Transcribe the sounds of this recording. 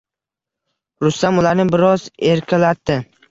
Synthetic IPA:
ɾʊst̪amʊlaɾnɪbɪɾɒze̞ɾkʲʰalat̪ʰːɪ

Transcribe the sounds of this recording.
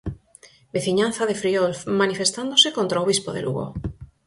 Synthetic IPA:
beθiɲan̟θaðefɾiolfmanifest̪and̪osekont̪ɾaoβispoðḛlṵɣo̰

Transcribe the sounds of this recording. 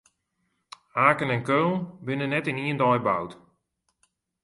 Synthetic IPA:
aːkənɛnkøːlˠbɪnənːɛtɪniəndɔjbawt

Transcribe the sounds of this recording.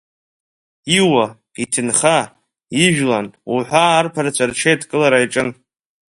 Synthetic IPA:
iwa | itʰɨnχa | iʒᶣlanṵħʷaːrpʰaɾat͡ʃʷʰarʈ͡ʂʰejtʰkʼɨlaɾaiʈ͡ʂʼɨn

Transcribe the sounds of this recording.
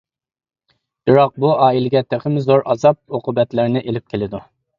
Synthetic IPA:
b̥ɪɾɑq̚buɑːilɪɡʲɛt̪ʰeχɪmzoɾʔɑzɑp̚oqʰʊbɛt̪lɪɾnɪʔelɪp̚kʲʰelɪd̪u

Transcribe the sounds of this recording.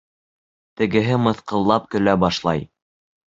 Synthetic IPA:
t̪ɘ̆ɡɘ̆ɦɘmɤ̆θqɤ̆lˠːɑp̚kɵ̆læbɑʃlˠɑj

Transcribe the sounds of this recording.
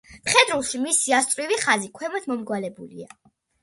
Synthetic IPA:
mχɛd̪ɾulˠʃimisiast̪ʼvwiviχazikʰwɛmɔt̪ʰmɔmɡwalɛbulḭa

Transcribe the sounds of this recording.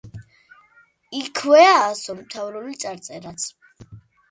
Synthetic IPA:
ikʰwɛaːsɔmt̪ʰavɾɔlit̪sʼaɾt̪sʼɛɾat̪sʰ

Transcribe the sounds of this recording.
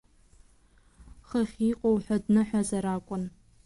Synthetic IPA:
χəχʲiːqʷʼowħʷɔdnɨħʷazɐɾaːkʷʼʊn

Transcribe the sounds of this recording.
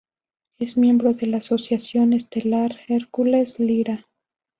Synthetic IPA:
e̞zmje̞mbɾo̞ðe̞laːso̞sjasjo̞nest̪e̞laɾeɾkulesliɾa

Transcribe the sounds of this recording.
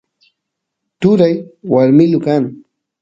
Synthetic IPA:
t̪ʊɾajwaɾmɪlʊkaŋ

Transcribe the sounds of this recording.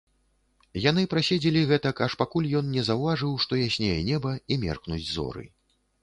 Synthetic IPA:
jan̪ɨpɾasʲed͡zʲɛlʲiɣɛt̪ɐkaʂpakulʲjɔnnʲɛzɐwvaʐɨwʂt̪ɔjasʲnʲejɛnʲɛbɐimʲɛ̰rknud͡zʲzɔ̰ɾɨ̰

